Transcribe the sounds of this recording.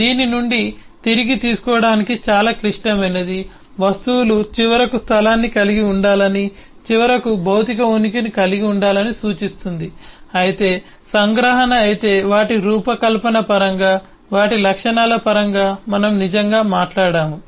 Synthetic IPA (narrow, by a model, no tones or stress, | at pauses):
d̪iːninuɳɖit̪iɾiɡit̪iːsu̥kɔːɐɽaːnikit͡ʃaːlaːkɾiʂʈɐmɐned̪i | ʋɐst̪uwlut͡ʃiʋɐɾɐkust̪ʰɐlaːnːikɐliɡiuɳɖaːlɐni | t͡ʃiʋɐɾɐkubʱɐwt̪ikɐunikinikɐliɡiuɳɖaːlɐnisuːt͡ʃist̪und̪iɐjit̪e̞ː | sɐŋɡɾɐːɦɐnɐːjit̪e̞ːʋaːʈiɾuːpɐkɐlpɐnɐpɐɾɐŋɡaː | ʋaːʈilɐkʂɐɳaːlɐpɐɾɐŋɡaːmɐnɐmnid͡ʒɐŋɡaːmaːʈlaːɽaːmu